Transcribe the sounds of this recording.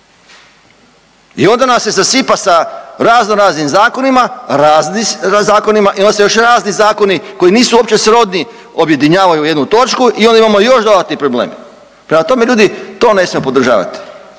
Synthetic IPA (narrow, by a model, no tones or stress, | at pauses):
io̞nd̪anasje̞zasipasaɾaːznoɾaːznimzaːko̞nimaɾazniazaːko̞nimaʔiond̪asejo̞ʃɾaːznizaːko̞niko̞iniːsuopt͡ʃe̞sɾo̞d̪ni | o̞bje̞d̪iɲaːʋajuje̞d̪nut̪o̞t͡ʃkuʔiond̪aimamo̞jo̞ʃd̪od̪at̪nipɾo̞blḛːm | pɾemat̪o̞me̞ʎuːd̪it̪o̞ːne̞smiepo̞d̪ɾ̩ʒa̰ːʋa̰t̪i̥